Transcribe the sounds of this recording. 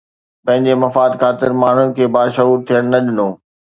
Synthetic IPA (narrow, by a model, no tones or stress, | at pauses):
pɐ̃ɦɪ̃ɲd͡ʑemɐfaːd̪kʰaːt̪ɪɾmaːɳ̤ʊnɪ̆kʰeːbaːʃɐɦuːɾt̪ʰijəɽ̃nɐɗɪnõː